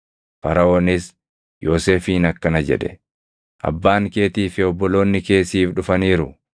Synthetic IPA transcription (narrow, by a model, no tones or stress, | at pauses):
fɐɾɐoːnɪs | jo̞ːse̞ːfiːnɐkːɐnɐd͡ʒɛ̰ᶑɛ | ʔɐ̰bːaːŋke̞ːt̪iːfɪɔbːɔlo̞ːnːɪke̞ːsiːfᶑʊfɐniːɾʊ